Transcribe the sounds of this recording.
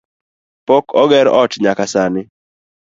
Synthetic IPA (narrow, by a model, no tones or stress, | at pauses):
pokɔɡɛɾɔtɲakasanɪ